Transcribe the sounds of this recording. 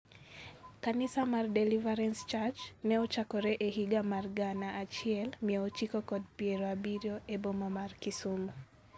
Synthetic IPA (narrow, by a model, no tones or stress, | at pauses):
kanisamardɛlivaɾɛnst͡ʃat͡ʃnɛɔt͡ʃakɔɾɛʔeɦiɡamarɡanaːt͡ʃɪɛlmiɛot͡ʃikokɔd̚pjɛɾoabiɾjoebomamarkisomo